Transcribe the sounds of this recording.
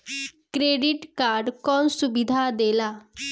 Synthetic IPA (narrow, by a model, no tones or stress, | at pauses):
kɾeɖiʈkaɾɖkɔnsubid̪ʱad̪ela